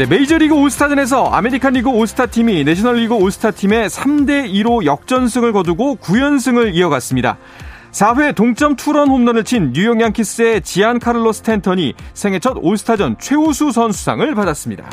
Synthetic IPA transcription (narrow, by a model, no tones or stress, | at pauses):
ne̞me̞id͡ʑʌɾiɡɯosʰɯ̥tʰad͡ʑʌne̞s̬ʰʌa̰me̞ɾikʰanɾiɡɯosʰɯ̥tʰatʰimineɕʰʌnʌɭːiɡɯosʰɯ̥tʰatʰime̞sʰamde̞iɾojʌk̚t͡ɕ͈ʌns̬ʰɯŋɯɭkʌduɡokujʌnsʰɯŋɯɾiʌɡas͈ɯmɲida̰ | sʰaɸwe̞toŋt͡ɕ͈ʌmtʰuɾʌnhomnʌnɯɭt͡ɕʰinɲujʌŋjaŋkʰis͈ɯe̞t͡ɕiankʰaɾɯɭːosʰɯ̥tʰentʰʌɲisʰe̞ŋɦe̞t͡ɕʰʌdosʰɯ̥tʰad͡ʑʌnt͡ɕʰwe̞usʰusʰʌnsʰu̥sʰa̰ŋɯɭpadas͈ɯmɲida̰